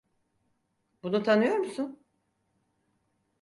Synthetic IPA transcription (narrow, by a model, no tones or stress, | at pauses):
bunut̪ʰanɯjo̞ɾmusun